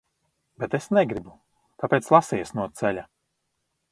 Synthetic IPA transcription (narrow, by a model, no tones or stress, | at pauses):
bɛt̪esnɛɡɾibu | t̪apeːt̪slˠasijɛsnuɔt̪sɛlʲa